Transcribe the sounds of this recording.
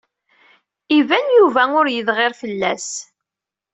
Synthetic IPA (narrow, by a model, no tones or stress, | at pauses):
ivænjuvæʊɾjəðʁɪɾfəlːæs